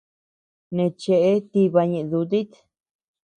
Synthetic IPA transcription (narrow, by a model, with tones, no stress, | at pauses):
nẽ˧t͡ʃe˧˨ʔe˦t̪i˧βa˧ɲẽ˧ʔðu˧t̪i˦t̪